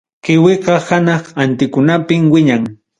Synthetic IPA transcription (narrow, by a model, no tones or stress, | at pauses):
kɪwɪqɑhanɑχant̪ɪkʊnapɪmwɪɲaŋ